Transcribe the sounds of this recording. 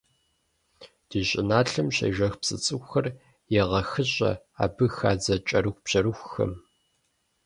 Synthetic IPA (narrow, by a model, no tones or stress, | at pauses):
d̥iːɕʼɪnaːɬɨmɕɐ̰jʒɐxpsʼɨt͡sʼɨxɐr | jɛʁɐxɨɕʼɐ̰ | a̰ːbɨxaːd͡zɐt͡ʃʼɐɾɨxʷb̥ʑ̥ɐɾɨxʷxɐ̰m